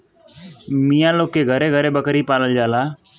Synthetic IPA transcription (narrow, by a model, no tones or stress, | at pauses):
mijãːloːkːeɡʱəɾeɡʱəɾebəkɾipaːləld͡ʒaːlaː